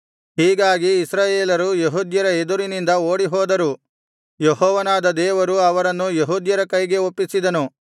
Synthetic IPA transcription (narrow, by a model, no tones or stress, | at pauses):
ɦiːɡaːɡiːsɾaːjeːlɐɾujeɦuːd̪jɐɾɐed̪uɾinind̪ɐoːɽiɦoːd̪ɐɾu | jeɦɔːʋɐnaːd̪ɐd̪ɛːʋɐɾuɐʋɐɾɐnːujeɦuːd̪jɐɾɐkɐjɡe̞opːisid̪ɐnu